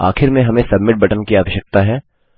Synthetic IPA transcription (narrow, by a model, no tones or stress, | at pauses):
a̰ːxɪɾmẽɦɐmẽsɐbmɪʈ̚bɐʈənkiaːʋəʃək̚t̪aɦɛː